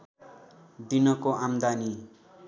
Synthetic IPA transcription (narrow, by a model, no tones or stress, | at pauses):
d̪inʌkoʔamd̪ani